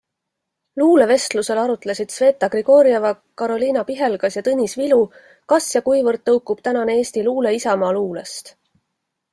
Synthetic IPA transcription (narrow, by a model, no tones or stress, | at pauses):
luːle̞ve̞st̪luse̞lɑɾut̪lesid̪̥sve̞ːt̪ːˑɑɡriɡ̥o̞ːɾiɑvɑ | kɑɾo̞lʲiːnɑpiɦe̞lɡ̥ɑsjɑt̪ɤnʲisvilu | kɑsjɑkujvɤrd̪̥̚ːɤwkːˑub̥t̪ænɑneeːst̪iluːle̞isɑmɑːluːlest̪